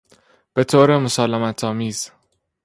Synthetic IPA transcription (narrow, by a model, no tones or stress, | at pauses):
b̥e̞t̪ʰoːɾemosɒːlæmæt̪ʰɒːmiːz̥